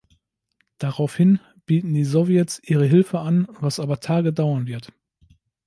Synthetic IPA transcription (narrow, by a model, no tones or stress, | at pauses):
d̥aʁaʊfhɪn | b̥iːtn̩diːzɔvjɛtsʔiːʁ̞əɦɪlfəanvasʔaːbɐtʰaːɡədaʊɐnvɪɐt